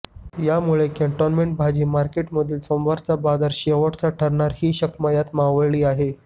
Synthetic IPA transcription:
jamuɭekẽɳʈɔnmeɳʈ̚bʱad͡ʑiːmaɾkeʈməd̪ʱiːlsomʋaɾt͡sabad͡zaɾɕeʋəʈt͡saʈʰəɾɳaɾhiːɕəkmajat̪maʋəɭɭiːaɦe

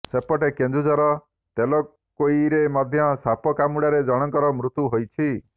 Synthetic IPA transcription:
sepɔʈekend͡ʒud͡ʒɔɾɔ | t̪elɔ | koiɾemɔd̪ʱjɔsapɔkamuɽaɾed͡ʒɔɽ̃ɔŋkɔɾɔmɾut̪uɦojt͡ʃʰi

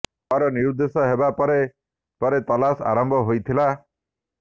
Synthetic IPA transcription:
ɔɾɔniɾud̪esɔɦebapɔɾe | pɔɾet̪ɔlasa̰ɾɔmbʱɔɦojt̪ʰila

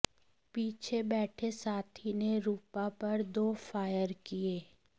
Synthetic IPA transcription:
piːt͡ʃʰebɛːʈʰesaːt̪ʰineɾuːpapɐɾd̪oːfaːjəɾkieː

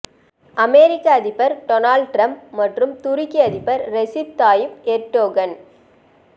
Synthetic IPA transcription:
ʔɐmeːɾɪkːaɐðɪpːɐɾʈɔnaːlɖʈɾɐmpmɐʈrɯmt̪ʊɾɪkːiɐðɪpːɐɾɾɛsɪp̚t̪aːjɪpeɾʈːoːɡɐn

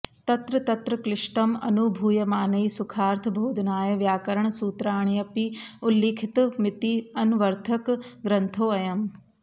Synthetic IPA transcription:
t̪ɐt̪ɾɐt̪ɐt̪ɾɐkɾɪʂʈɐmɐ̰nubʱuːjɐmaːnɐisʊkʰaːɾt̪ʰɨbʱoːd̪ʱɐnaːjɐʋjaːkɐɾəɳ̃suːt̪ɾaːɳ̃jɐpiʊlːiːkʰɪt̪mɪt̪iɐnʋɐɾt̪ʰɐkɡɾɐ̃nt̪ʰoːɐjɐm

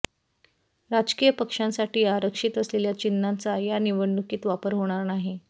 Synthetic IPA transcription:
ɾad͡ʑkiːjəpəkʂãnsaʈiːaɾəkʂit̪əsleljat͡ɕinːant͡sajaniʋəɳːukiːt̪ʋapəɾɦoɽ̃aɾnaɦe

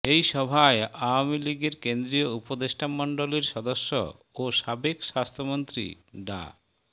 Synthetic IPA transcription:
ejʃɔbʱaeawamiliɡeɾkend̪ɾijoupod̪eʃʈʰamɔɳɖoleɾʃɔd̪oʃːo̰ | oʃabekʃast̪ʰomont̪ɾḭɖa̰

